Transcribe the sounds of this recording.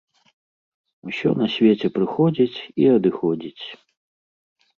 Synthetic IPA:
wsʲɔ̰nɐsʲvʲet͡sʲɛpɾɨxɔd͡zʲit͡sʲiɐd̪ɨxɔd͡zʲit͡sʲ

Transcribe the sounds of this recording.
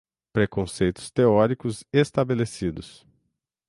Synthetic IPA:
pɾekõsejt̪ʊ̥st̪eɔɾikʊzest̪abelesid̪ʊs

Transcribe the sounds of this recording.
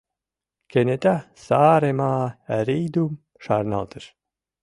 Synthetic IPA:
kʰenet̪ʲasaːɾemaːæɾiːd̪um | ʃaɾna̰lˠt̪ɨʃ

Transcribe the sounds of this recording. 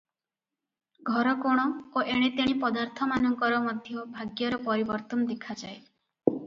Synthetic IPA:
ɡʱɔɾɔkoɽ̃ɔoʔeɽ̃et̪eɽ̃ipɔd̪aɾt̪ʰɔmanɔŋkɔɾɔmɔd̪ʱjɔbʱaɡjɔɾɔpɔɾibɔɾt̪ɔnɔd̪ekʰad͡ʒae

